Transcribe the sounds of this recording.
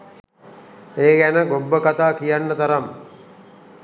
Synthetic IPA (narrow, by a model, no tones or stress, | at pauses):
eːɡænəɡobːəkat̪aːkijanːət̪aɾam